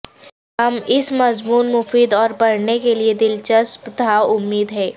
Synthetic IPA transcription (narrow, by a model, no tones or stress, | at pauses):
ɦɐmɪsmɐzmuːnmʊfiːd̪ɔːɾpɐɽnekelied̪ɪlt͡ʃɐspt̪aːʊmːiːd̪ɦɛː